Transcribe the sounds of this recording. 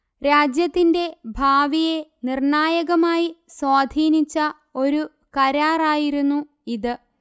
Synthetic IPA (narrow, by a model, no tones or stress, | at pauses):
ɾaːd͡ʑjɐt̪ːinde̞bʱaːʋije̞nirɳaːjɐɣɐmaːjiswaːd̪ʱiːnit͡ɕːɐ | o̞ɾu | kɐɾaːraːjiɾunːu | iðɨ